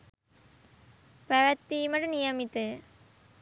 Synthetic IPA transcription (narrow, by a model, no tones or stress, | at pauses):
pɐʋɐt̪ːiːmɐʈɨnijɐmit̪ːɨ